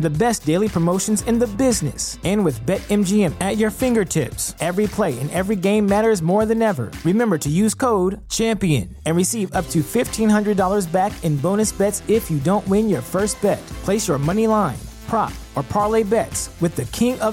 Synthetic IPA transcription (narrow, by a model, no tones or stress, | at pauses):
ðɨbɛsd̥eɪlˠipʰɹ̥əmoʊʃn̩zɨ̃nðɨbɪznɨ̰sɨ̃nwɨðbɛɾɛ̃md͡ʒiɛ̃mɨt͡ʃə˞fɪ̃ŋɡə˞tʰɪ̰psɛvɹipʰl̥eɪɨ̰̃nɛvɹiɡẽɪ̃mːæɾə˞zmɔɹðɨ̃nɛvə̰˞ɹɨmɛ̃mbə˞ɾɨjʉz̥kʰoʊd̚t͡ʃʰæ̃mpiɨ̰̃n | ɨ̃nɹɨsivʌp̚tʰɨfɪftʰĩnɦʌ̃ndɹɨdɔlˠə˞zbækɨ̃nbõʊ̃ñɨsb̥ɛtsɪfjɨdõʊ̃nʔwɪ̃njə˞fɜ˞st̚b̥ɛt̚pʰl̥eɪsjə˞mʌnilãɪ̃npʰɹ̥ɑ̰p̚ə˞pʰɑɹleɪbɛtswɨðɨkʰɪ̃ŋʌ